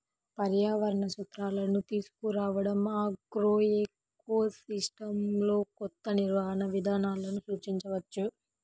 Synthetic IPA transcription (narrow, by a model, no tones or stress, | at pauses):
pɐɾjaːʋɐɾɐɳɐsut̪ɾaːlɐnut̪iːsu̥kuɾaːʋɐɽɐmaːɡɾoːek | oːsisʈɐmlo̞ːkɔt̪ːɐniɾʋaːɐnɐʋid̪ʱaːnaːlɐnusuːt͡ʃiɲt͡ʃɐʋɐt͡ʃːu